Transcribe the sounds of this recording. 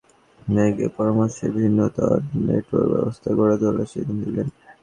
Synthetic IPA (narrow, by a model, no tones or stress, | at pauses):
neɡepɔɾomaʃebʱinːot̪aɾneʈo̰ɾkbɛ̰bost̪ʰaɡoɽad͡ʑ̪olaʃid̪nd̪ilen